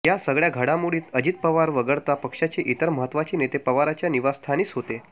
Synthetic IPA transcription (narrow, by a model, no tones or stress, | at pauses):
ɦjasəɡɭjaɡʱəɽamuɽiːt̪əd͡ʑit̪̚pəʋaɾʋəɡəɭt̪apəkʂat͡ɕeʔit̪əɾməɦət̪ːʋat͡ɕiːnet̪epəʋaɾat͡ɕjaniʋast̪ʰaniːt͡sɦot̪e